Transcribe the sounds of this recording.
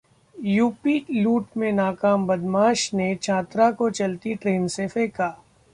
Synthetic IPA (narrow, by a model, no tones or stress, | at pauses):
juːpiluːʈmẽnaːkaːmbɐd̪maːʃnet͡ʃʰaːt̪ɾakot͡ʃɐlt̪iʈɾeːnsefeːkaː